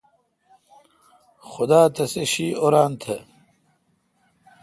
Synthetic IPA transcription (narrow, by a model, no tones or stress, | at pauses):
xʊd̪aːt̪ʰɐseɕiːoɾaːnt̪ʰɐ